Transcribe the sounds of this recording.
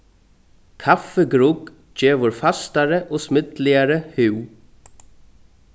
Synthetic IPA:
kʰafəɡɾuk | d͡ʒeːʋʊɹfast̪aɾəʔɔːsmɪd̪lɪaɾəhʉw

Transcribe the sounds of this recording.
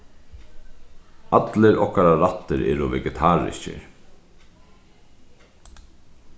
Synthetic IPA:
at̪lɪɾʔɔ̰hkaɾaɾat̪ːɪɾɛ̰ːɾʊvɛɡɛt̪ʰaːɾɪ̰scɪ̰ɾ

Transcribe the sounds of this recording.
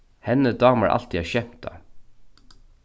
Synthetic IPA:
hɛnəd̪ɑːmə̰ɹʔɑ̰lt̪iɛɕɛm̥t̪a̰

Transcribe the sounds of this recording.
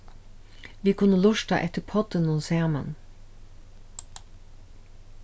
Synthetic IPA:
ʋiːkʰʊnəlʊʃtɑ̰ʔɛ̰t̪əpʰɔd̪ənʊseːmə̰n

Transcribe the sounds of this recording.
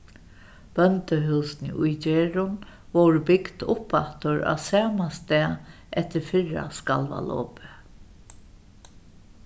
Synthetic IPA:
b̥œnt̪əɦʉwsnɪ̰ʔʊjt͡ʃeːɹʊn | ʋɔwɾbɪkd̪ʊpːaht̪ʊɹa̰sæːmast̪ɛː | ʔɛht̪ɪɾfɪɻa̰skalʋa̰lɔ̰ːpɪ

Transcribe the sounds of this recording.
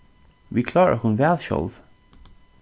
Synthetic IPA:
ʋikʰlɑːɹə̰hʉnvɛlɕɔ̰lʋ

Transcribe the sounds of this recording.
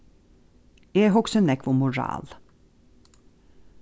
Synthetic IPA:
eːɦɔksənɛkʋomʊɹɑ̰ːl

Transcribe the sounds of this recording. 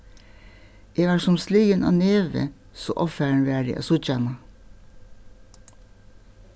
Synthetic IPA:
eːʋɑːsɔmsliːɡənʔɑ̰ːneːʋə̰ | so̰ːʔɔfæɳʋæːɖɪ̰ʔɑ̰ːsʊt͡ʃɑnɑ

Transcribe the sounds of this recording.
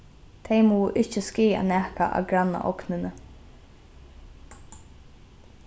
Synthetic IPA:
t̪ʰejmuːʔɪht͡ʃəskiːja̰nɛːhka̰ʔa̰ːɡɾanːa̰ʔɔknɪnə

